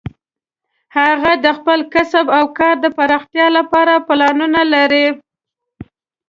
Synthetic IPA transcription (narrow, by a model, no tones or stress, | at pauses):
haɣad̪əxpəlkasəbawkɑɾd̪əpaɾɑxt̪jɑlapɑɾaplɑnunalaɾi